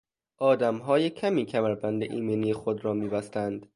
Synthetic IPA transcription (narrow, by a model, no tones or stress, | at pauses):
ʔɒːd̪æmɦɒːjecʰæmiːcʰæmæɾbænd̪eʔiːmeːniːjexod̪ɾɒːmiːbæst̪ænd̪